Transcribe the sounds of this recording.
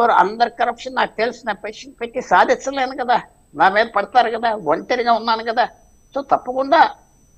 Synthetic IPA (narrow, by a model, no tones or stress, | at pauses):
ʋɐɾuʔɐ̰nd̪ɐɾikɐɾɐpʂɐnnaːk̚ut̪elsnɐpeʂɐnpet̪ːisaːd̪ʱit͡ʃːɐleːnukɐd̪aː | naːmeːd̪ɐpɐɽit̪aːɾukɐd̪aːʋɐɳʈeɾiɡaːunːaːnukɐd̪aː | so̞ːt̪ɐpːɐkuɳɖaː